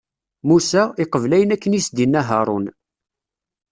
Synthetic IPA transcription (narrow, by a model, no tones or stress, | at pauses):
musæɪqəvlæjənækːənisd̪inːæɦəɾˤon